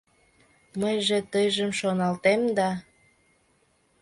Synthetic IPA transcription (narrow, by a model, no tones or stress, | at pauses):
məjʒet̪əjʒəmʃonɑlt̪emd̪ɑ